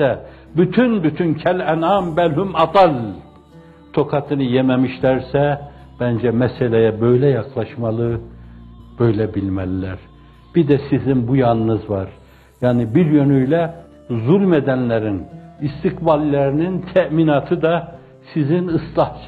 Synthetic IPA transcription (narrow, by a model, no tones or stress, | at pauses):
ɛ | byt̪ʰynbyt̪ʰyncʰælʲænɑmbælhymɑd̪ɑlʲ | t̪ʰo̞kʰɑt̪ʰɯnɯjemɛmiʃlæɾsɛ | b̥ænd͡ʒɛmɛselʲejæbø̞jlɛjɑkʰlˠɑʃmɑlˠɯ | b̥ø̞jlɛbilʲmælilæɾ | b̥id̪ɛsizinbujɑnɯnɯzvɑɾ | jaːnibiɾjønyjlɛ | zulʲmed̪ænlæɾinist̪ʰikbalilʲæɾinint̪ʰæminɑt̪ʰɯd̪ɑ | sizinɯslˠɑh